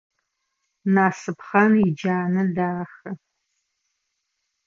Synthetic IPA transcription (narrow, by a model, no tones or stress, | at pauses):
naːsɨpχɐnid͡ʒaːnɐdaːxɐ